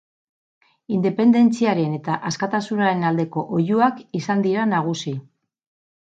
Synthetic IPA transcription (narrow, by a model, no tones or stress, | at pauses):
ind̪e̞pe̞nd̪e̞nt͡siaɾe̞ne̞t̪aʔaskat̪asunaɾe̞nald̪e̞ko̞ʔojuakisand̪iɾanaɣ̞usi